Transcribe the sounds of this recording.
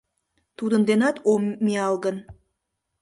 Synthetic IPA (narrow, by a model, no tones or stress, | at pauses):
t̪ud̪ənd̪enɑt̪ommːiɑlˠɡən